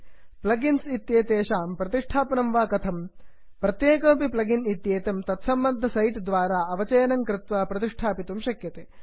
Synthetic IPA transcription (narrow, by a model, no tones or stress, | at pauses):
plɐɡinsit̪jeːt̪eːʃaːmpɾɐt̪iʂʈʰaːpɐnɐmʋaːkɐt̪ʰɐm | pɾɐt̪jeːkɐmpiplɐɡinit̪jeːt̪ɐmt̪ɐt̪sɐmbɐnd̪ʱːɐsɐjʈd̪ʋaːɾaːɐʋɐt͡ʃɐːnɐŋkɾɪt̪ʋaːpɾɐt̪iʂʈʰaːpit̪umʃɐkjɐt̪eː